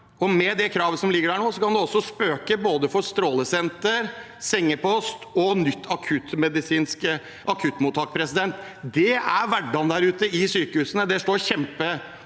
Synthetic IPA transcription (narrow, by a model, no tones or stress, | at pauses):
ɔmɛd̪ɛkʰɾɑːʋəsɔmlɪɡːəɖæːɳoːsɔkʰɑnd̪ɛɔsːɔspøːkəboːd̪əfɔɾst̪ɾoːləsɛnt̪əɾ | sɪŋːəpɔst̪ɔnʏt̪ːɑkʰʉt̪mɛd̪ɪsiːnskə | ʔɑkʰʉt̪ːmuːt̪ʰɑːk̚pʰɾɛsɪd̪ɛnt̪ | d̪ɛæɾʋæɖːɑnd̪æɾʉːt̪əɪsyːkəhʉːsənəd̪ɛʂʈoːɾçɛmpə